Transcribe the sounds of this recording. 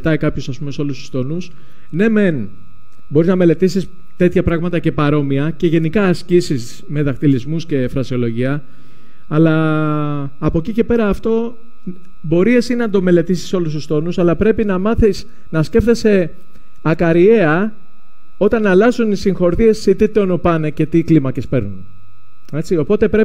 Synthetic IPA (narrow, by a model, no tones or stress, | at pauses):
t̪ɐikɐpçosɐspume̞seo̞lust̪u̥st̪o̞nus | ne̞me̞n | bo̞ɾiznɐme̞le̞t̪isis | t̪e̞t̪çɐpɾɐɣmɐt̪ɐce̞pɐɾo̞miɐce̞ʝe̞nikɐːscisis | me̞ðɐkt̪ilizmusce̞fɾɐsio̞lo̞ʝiɐː | lɐː | po̞cice̞pe̞ɾɐːft̪o̞ | bo̞ɾie̞sinɐnd̪o̞me̞le̞t̪isi̥so̞lust̪ust̪o̞nusɐlɐpɾe̞pinɐmɐθis | nɐsce̞ft̪ese̞ | ɐkɐɾie̞ɐ | o̞t̪ɐnːɐlɐzunisiŋxo̞ɾðie̞sːit̪it̪ionopɐnece̞t̪iklimɐce̞spe̞ɾnun | e̞t͡sio̞po̞t̪e̞pɾe